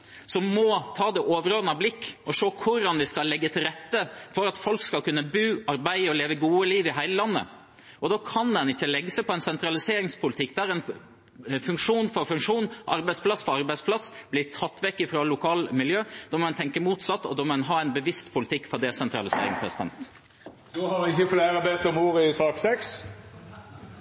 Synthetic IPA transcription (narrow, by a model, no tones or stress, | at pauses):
sɔmɔt̪ʰɑːd̪ɛʔoːʋəɾoːnəblɪkːɔʂoːkʰʊɾːɑnʋɪskɑlːɛɡːət̪ʰɪlɾɛt̪ːəfɔɾɑt̪fɔlkskɑlkʉnːəbʉːɑɾbæɪɔleːʋəɡuːəliːʋɪɦæɪləlɑnːə̰ | ʔɔd̪oːkʰɑnd̪ɛnɪçːəlɛɡːəsæɪpʰɔɛnsɛnt̪ɾɑlɪseːɾɪŋspʰʊlɪt̪ʰɪkːd̪ɛæɾɛn | fʉŋkʂuːnfɔɾfʉŋkʂuːnʔɑɾbæɪspʰlɑsfɔɾɑɾbæɪspʰlɑsːbliːt̪ʰɑt̪ːʋɛkːɪfɾoːlʊkʰɑːlmɪljøːd̪̥oːmɔɛnt̪ʰɛŋkəmuːt̪sɑt̪ːɔ̰d̪oːmɔɛnɦɑːɛɪnbəʋɪst̪pʰʊlɪt̪ʰɪkːfɔɾd̪ɛsɛnt̪ɾɑlɪsḛːɾɪ̰ŋpʰɾɛ̰sɪd̪ɛ̰nt̪ | d̪oːhɑʋɪçəfleːʁəbeːt̪ɔmuːɾɪsɑːksɛks